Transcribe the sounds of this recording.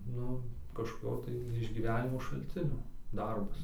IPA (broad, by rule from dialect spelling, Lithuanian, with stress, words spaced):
ˈnʊ kɐʃkoːˈkʲoː tɐɪ ɪʒʲɡʲiːˈʋʲæːnʲɪmoː ʃɐlʲˈt͡sʲɪnʲoː ˈdɐrbɐs